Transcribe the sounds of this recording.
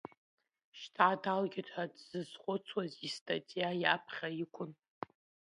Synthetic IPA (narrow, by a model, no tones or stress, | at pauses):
ʃtʰʕadalɡʲɪtʰadz̥ɨzχʷʊt͡sʰwazistʰʼatʼijajapʰχʲajikʷʰʼʊn